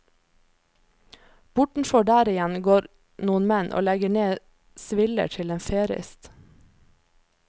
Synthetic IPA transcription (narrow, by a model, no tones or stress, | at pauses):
b̥ʊʈɳ̩fɔɖæːɾɪjɛnɡoːɾ | nuːənmɛnʔo̰ːlɛɡəɳeː | sʋɪlə̰ʈʰɪleːnfeːɾɪ̰st̪